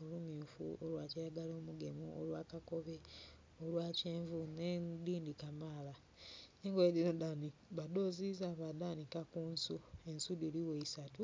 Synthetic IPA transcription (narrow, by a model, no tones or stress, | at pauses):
olumiːfṵolwaːciɾaɡaloːmuɡe̞muʔo̰lwaːkako̞βe | olwaːceːɱvunediːndikamaːla | neŋɡwediɾodaniβado̞ːzizaβadanikakuːnsue̞nsudiliweisatu